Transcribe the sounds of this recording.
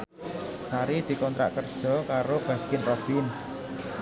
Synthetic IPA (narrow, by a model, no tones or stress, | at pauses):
saɾid̪̥i̤kɔnt̪ɾa̰ʔkərd̥ʒ̥ɔ̤kaɾob̥a̤skɪnpɾob̥ins